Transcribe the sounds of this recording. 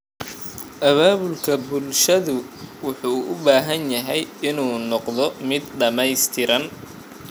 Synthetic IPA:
ʔɐβaːβʊlkʰɐbʊlʃɐðʊ | wʊħuːʔʊbaːɦɐnjɐɦɛjɪnuːnɔqðɔmɪd̪ɖɐmɛjst̪ʰɪɾɐn

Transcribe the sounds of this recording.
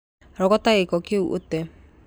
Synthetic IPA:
ɾɔkɔtaekɔkeṵʔo̰tɛ

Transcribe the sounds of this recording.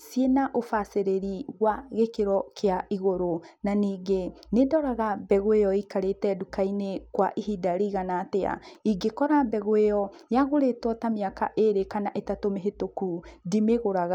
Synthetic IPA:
sienaʔofaseɾeɾiɣwaɣekeɾɔkeaiɣoɾonaniːɡe | nedɔɾaɣabɛɣoejɔikaɾetɛdukainekwaʔiɦidaɾiɣanatea̰iɡekɔɾabɛɣoeɔjaɣoɾetwɔtamiaka̰ʔeɾekanaʔetatomeɦetokudimeɣoɾaɣa

